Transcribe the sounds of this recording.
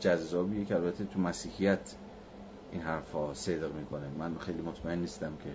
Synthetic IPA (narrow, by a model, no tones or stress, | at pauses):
d͡ʒæzːɒːbiːjecʰeælbæt̪ʰːet̪ʰumæsiːhijæt̪ʰ | ʔinɦæɾfhɒːsed̪ɣmiːkʰonemænxejliːmot̪ʰmæenːiːst̪æmcʰe̞